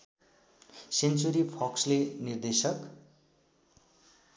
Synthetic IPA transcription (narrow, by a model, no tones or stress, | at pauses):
sent͡suɾipʰʌkslenird̪esʌk